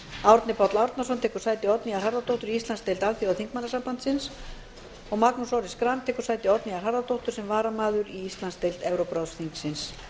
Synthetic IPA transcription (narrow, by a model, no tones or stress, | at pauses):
awɾt̪nɪpʰɔt̪lawɾt̪nasɔnt̪ʰɛːkʏɾ̥saːjt̪ɪɔt̪niaɾ̥ɦaɾðat̪owht̪ʏɾiist̪lanst̪ejlt̪alθjiawθiŋk̚manːasampant̪sɪns | ɔɣmaknusɔwɾɪskɾamt̪ʰɛːkʏɾ̥saːjt̪ɪɔt̪niaɾɦaɾðat̪ʰowht̪ʏ̥ɾ̥sɛmvaːɾamaːðʏɾiist̪lanst̪ejlt̪ɛvɾowpɾawsθiŋksɪns